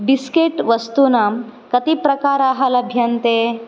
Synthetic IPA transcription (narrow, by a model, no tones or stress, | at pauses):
biskeʈʋəst̪unamkət̪ipɾɐkaɾaɦalɐbʱjənt̪e